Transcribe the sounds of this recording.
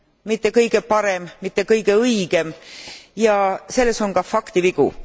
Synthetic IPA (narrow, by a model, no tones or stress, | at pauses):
mit̪ˑːe̞kɤjɡ̥e̞pɑɾe̞mmit̪ːˑe̞kɤjɡe̞ɯjɡ̥e̞mjɑse̞lːe̞so̞nkɑfɑkt̪iviɡ̥ṵ